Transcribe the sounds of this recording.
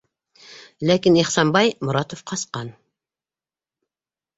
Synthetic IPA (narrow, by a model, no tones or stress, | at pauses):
lækʲinehsɑnbɑjmuɾɑt̪ofqʰɑsqɑn